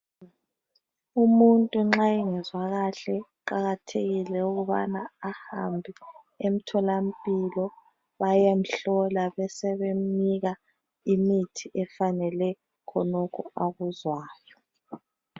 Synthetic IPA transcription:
umuntʼuŋ͡ǁaiŋɛzwaɣaɬɛǃaɣatʰeɣilɛuɣuβa̰naːhambʱi | em̩tʰɔlam̩pʼilɔ | βajem̩ɬɔlaβɛsɛβem̩niɣa | imitʰiʔɛfanɛlɛ | kʰɔnɔkʰɔaɣuzwaːjɔ

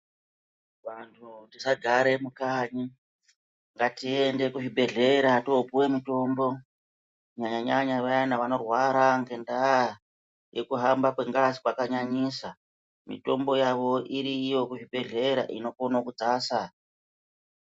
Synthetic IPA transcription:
ʋantʰutisaɡʱaɾe̞mukaɲi | ŋɡatiende̞kuʐibʱe̞ɮe̞ɾato̞puwemito̞mbo̞ | ɲaɲaɲaɲaʋajanaʋano̞rwaɾaŋɡe̞nda | jekuɦambakweŋɡasi̥kwakaɲaɲisa | mḭto̞̰mbo̞jaʋo̞ʔiɾijo̞kuʐibʱe̞ɮe̞ɾa̰ʔḭno̞konokud͡zaːsa

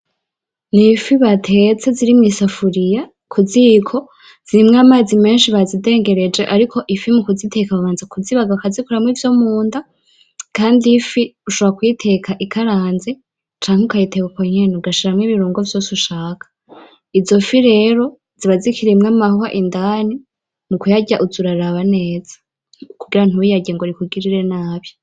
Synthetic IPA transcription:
nifiβatʰe̞t͡se̞ziɾimŋiːsafuɾija | kʰuzikʰo̞ | z̥iɾimŋaːmaːzime̞ːnʃiβazide̞ːŋɡe̞ɾe̞d͡ʒe̞ʔaɾikʰo̞ʔifimukuzitʰe̞kaβaβaːnzakʰuziβaɡaβkazikuɾamŋiːvjo̞muːnda | kaːndifiuʃoβɾakwitʰe̞kaʔikʰaɾaːnze̞ | t͡ʃaːŋ̥heukajitekukoɲenuɡaʃiɾamŋiβiɾuːŋɡovjo̞ːsuʃaːkʰḁ | izo̞fiɾe̞ɾo̞ | z̥iβazikiɾimŋamahohaʔindaːni | mukujaɟaʔuzuɾaɾaβane̞ːz̥ḁ | kuɡiɾan̥uijaɟeŋɡoɾikuɡiɾiɾe̞naːβjo

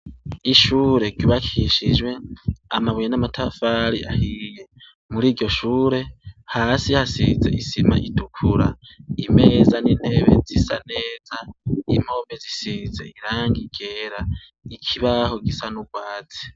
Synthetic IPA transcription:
iʃuːɾe̞ɡɟiβakʰiʃid͡ʒwe̞amaβujenamatʰafaɾiʔahije̞ | muɾiːɾɟo̞ʃuːɾe̞haːsihasizḛisima̰ʔidukʰuɾa̰ime̞ːzanin̥he̞βe̞̰zisa̰neːzaim̥ho̞mezisize̞̰iɾaːŋɡiɡ̥eːɾa | ikʰiβaho̞ɡisanuɡwaːt͡si̥

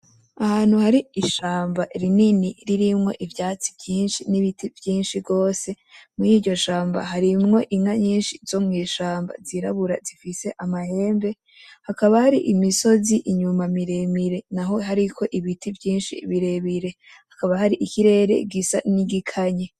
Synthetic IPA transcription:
ahaːn̥huhaɾiiʃaːmbaɾininiɾiɾimŋo̞̰ʔivjaːt͡si̥vjiːnʃiniβitivjiːnʃiɾɡo̞ːse̞ | muiːɟo̞ʃaːmba̰ɦaɾimŋo̞ʔiŋaɲiːnʃizo̞mŋiːʃaːmba̰ziɾa̰βuɾa̰zifise̞ʔamahe̞ːmbe̞ | hakaβahaɾiʔimiso̞ziʔiɲumamiɾe̞miɾe̞naɦo̞ɦaɾikʰo̞ʔiβitʰivjiːnʃḭβiɾe̞βiɾe̞ | hḁkaβaɦaɾiʔikiɾe̞ɾe̞̰ɡisa̰niɡikʰaɲe

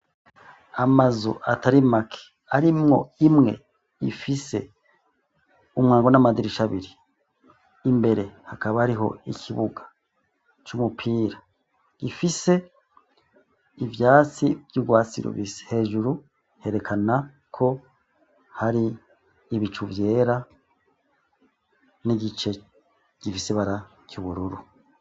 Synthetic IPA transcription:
amazṵʔatʰaɾimakʰe̥ | aɾimŋo̞̰imŋe̞̰ | ifise̞̰ | umŋaːŋɡo̞namadiɾiʃaβiɾiː | mbe̞ɾe̞hakaβahaɾiɦo̞̰ikʰiβuɡḁ | t͡ʃumupʰiːɾa | ifise̞ | ivjaːt͡sivjuɡwaːt͡sḭɾo̰βisi̥he̞ːʒuɾu | he̞ɾe̞kʰana | kʰo̞ | haɾiː | βit͡ʃuvje̞ːɾa | niɟit͡ʃe̞ | ɟ̥ifiseβaɾa | cuβuɾuɾu

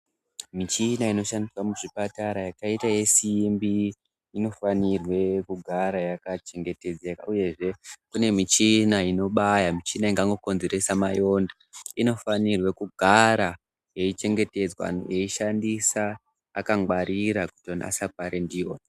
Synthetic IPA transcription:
mit͡ʃinaino̞ʃandiswamuʐipataɾajakaitaje̞simbi | ino̞fanirwe̞kuɡʱaɾajakat͡ʃe̞ŋɡe̞te̞d͡zeka̰uje̞ʐe̞kune̞mit͡ʃinaino̞ɓajamit͡ʃinaiŋɡaŋɡo̞ko̞nze̞ɾe̞samajo̞nda | ino̞fanirwe̞kuɡʱaɾa | je̞it͡ʃe̞ŋɡe̞te̞d͡zwa̰njeiʃandisaː | kaŋɡwaɾʔiɾakutona̰sap̚aɾendijoːna

